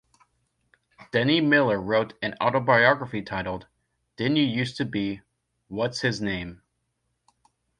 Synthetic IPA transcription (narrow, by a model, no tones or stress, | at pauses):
d̥ɛnimɪlˠə˞ɹoʊɾɨ̃na̰ʊɾoʊbaɪɑɡɹəfitʰaɪɾl̩ˠd | d̥ɪ̃njɨjʉstʰɨbi | wʌtshɨznẽɪ̃m